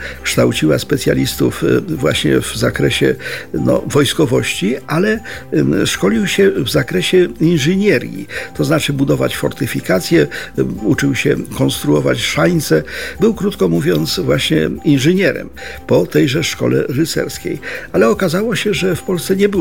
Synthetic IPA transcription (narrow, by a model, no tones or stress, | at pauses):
kʂt̪awt͡ɕiwa̰spɛt̪sʲja̰lʲist̪ṵfvwa̰ɕɲɛ̰vzakɾɛɕɛ̰nɔ̰vɔjskɔvɔɕt͡ɕialɛ | ʂkɔlʲiwɕɛvzakɾɛɕɛinʐɨɲɛɾʲjḭt̪ɔznat͡ʂɘbud̪ɔvat͡ɕfɔ̰ɾt̪ɘfʲikat̪sʲjɛut͡ʂɘwɕɛ̰kɔnst̪ɾuɔvat͡ɕʂaɲt̪sɛbɘwkɾut̪kɔmuvʲjɔnt̪svwaɕɲɛ̰inʐɨɲɛɾɛ̰mpɔt̪ɛjʐɛʂkɔ̰lɛ̰ɾɘt̪sɛ̰ɾskʲḛjalɛɔkazawɔɕɛʐɛfpɔlsɛɲɛbɘ